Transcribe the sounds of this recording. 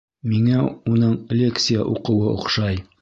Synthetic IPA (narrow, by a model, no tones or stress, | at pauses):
miŋæunɤɴlʲe̞kt̪sɨjə̰ʔuqɤ̆wɤŏ̰qʃɑj